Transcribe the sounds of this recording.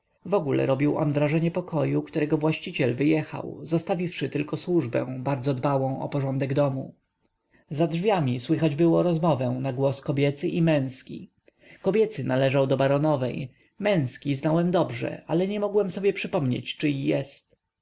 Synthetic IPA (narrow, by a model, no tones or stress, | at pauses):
vɔɡulɛ̰ɾɔbʲiwʔɔ̰nvɾaʐɛɲɛpɔkɔjukt̪uɾɛɡɔvwaɕt͡ɕit͡ɕɛlvɘjɛxa̰wzɔst̪avʲifʂɘt̪ɘlkɔswuʐbɛ̰̃w̃baɾd̪zɔd̪bawɔ̃w̃ʔɔ̰pɔʐɔnd̪ɛɡd̪ɔmu | zadʐvʲjamʲiswɘxad͡ʑbɘwɔɾɔzmɔvɛw̃naɡwɔskɔbʲjɛt̪sɘʔimɛ̃w̃skʲḭ | kɔbʲjɛt̪sɘnalɛʐawd̪ɔbaɾɔnɔvɛj | mɛ̃w̃skʲiznawɛmd̪ɔbʐɛ̰ʔalɛɲɛmɔɡwɛmsɔbʲjɛpʂɘpɔmɲḛt͡ɕt͡ʂɘijɛst̪